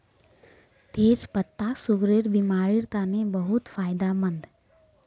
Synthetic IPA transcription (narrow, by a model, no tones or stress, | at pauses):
t̪eːd͡ʒpət̪ːaːsʊɡɾeɾbɪmaːɾiɾt̪aːnẽbəɦʊt̪faːɪd̪amə̃nd̪